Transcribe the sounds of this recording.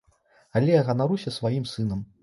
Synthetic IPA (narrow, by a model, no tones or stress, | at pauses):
alʲɛjaɣɐnaɾusʲɐsvajimsɨnɐm